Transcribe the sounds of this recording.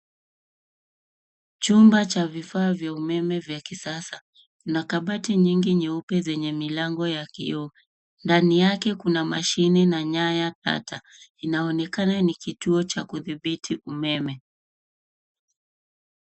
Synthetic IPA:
t͡ʃumbat͡ʃavifaːvjaumɛmɛvjakisasa | kunakaɓatiɲiŋɡiɲiupɛzɛɲɛmilaŋɡɔjakḭɔ | ndanijakɛkunamaʃinɛnaɲajata̰tʰa | inaɔnɛkananikituɔt͡ʃakuðiɓitʰiʔumɛmɛ

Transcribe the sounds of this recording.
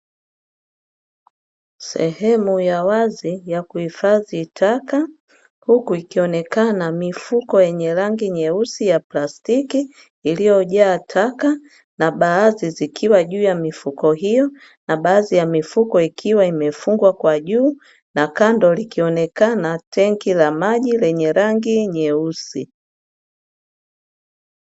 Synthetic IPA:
sɛ̰hɛmujawazijakuhifaðitʰaka | hukuikiɔnɛkanamifukɔjɛɲɛɾaŋɡiɲɛusijaplastikiː | lijɔʄaːtʰaka | naɓaːzizikʰiwaʄuːjamifukɔɦijɔ | naɓaːzijamifukɔikʰiwaimɛfuŋɡwakwaʄuː | nakandɔlikiɔnɛkanatʰɛŋkilamaʄilɛɲɛɾaŋɡiɲɛusi

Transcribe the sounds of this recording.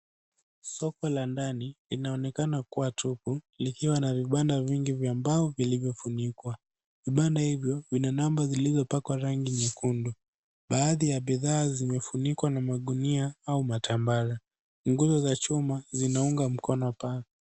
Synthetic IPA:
sɔkɔlandanilinaɔnɛkanakuwatʰuku | likiwanaviɓandaviŋɡivjaːmbaɔvilivjɔfunikwa | viɓandahivjɔvinanambazilizɔpakwaɾaŋɡiɲɛkundu | ɓaːðijaɓiðaːzimɛfunikwanamaɠuniaaumatʰambaɾa | ŋɡuzɔzat͡ʃumazinauŋɡam̩kɔnɔpaɛ

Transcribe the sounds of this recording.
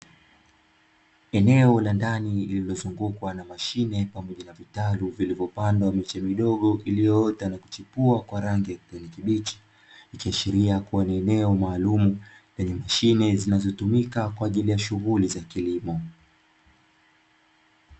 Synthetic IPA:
ɛnɛɔlandaniililɔzuŋɡukwanamaʃinɛpamɔʄanavitaluvilivjɔpandwamɛt͡ʃɛmiɗɔɠɔʔilijɔɔtanaku̥t͡ʃipuakwaɾaŋɡijakupɛnikiɓit͡ʃi̥ | ikiaʃiɾiakuwaniɛnɛɔmaːlumu | vɛɲɛmaʃinɛzinazɔtumikakwaːʄilijaʃuɣulizakilimɔ

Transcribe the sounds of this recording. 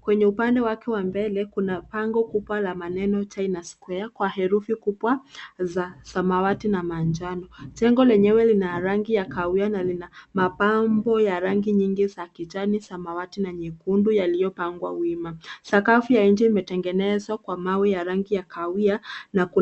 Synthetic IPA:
kwɛɲɛupandɛwakɛwambɛlɛkunapaŋɡɔkuɓwalamanɛnɔt͡ʃainaskwɛakwahɛɾufikubwazasamawatinamand͡ʒanɔt͡ʃɛŋɡɔlɛɲɛwɛlinaɾaŋɡijakawianalinamapambɔjaɾaŋɡiɲiŋɡizakit͡ʃanisamawatinaɲikundujalijɔpaŋɡwa̰wimasakafujain̩d͡ʒiimɛtɛŋɡɛnɛzwakwamawijaɾaŋɡijakʰawianaku

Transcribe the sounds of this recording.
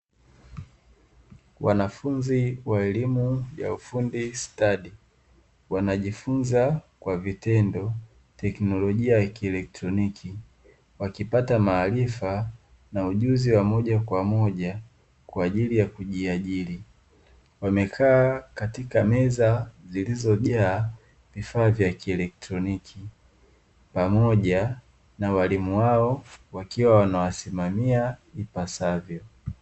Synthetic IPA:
wʔanafunziwaɛlimuja̰ufundistaɗi | wanaʄifunzakwavitɛndɔ | tɛknɔlɔʄiajakiɛlɛk̚tɾɔnikʰi | wakipatamaːlifa | nauʄuziwamɔʄakwamɔʄa | kwaːʄilijakuʄiaʄili | wamɛkʰaːkatikamɛzazilizɔʄaː | vifaːvjakiɛlɛk̚tɾɔnikʰi | pamɔʄa | nawalimuwaɔwakiwawanawasimamiaipasavjɔ

